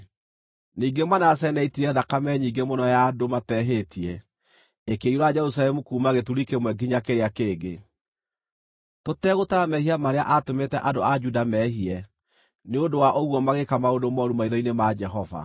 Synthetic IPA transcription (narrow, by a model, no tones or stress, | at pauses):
niːɡemanas̬ɛɛnaitiɾɛðakamɛɲiːɡemonɔjadomatɛɦetʰiɛ | ekeuɾad͡ʒɛɾus̬alɛmukuːmaɣetuɾikemwɛɡiɲakeɾeakeːɡe | totɛɣotamɛhiamaɾea̰ʔatometɛʔadoad͡ʒudamɛɦiɛ | neondowaʔoɣwɔmaɣekamaodomɔɾumaiðɔinemad͡ʒɛɦɔva̰